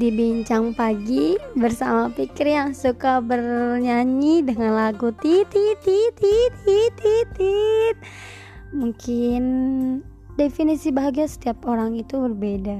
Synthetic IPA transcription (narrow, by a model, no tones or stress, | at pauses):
dibiɲt͡ʃaŋpaɡibərsamapikɪrjaŋsukabərɲaɲidəŋanlaɡut̪it̪it̪it̪it̪it̪it̪it̪̚ | muŋkʰɪn | definisibaɦaɡiasə̥t̪iap̚oɾaŋit̪ubərbeda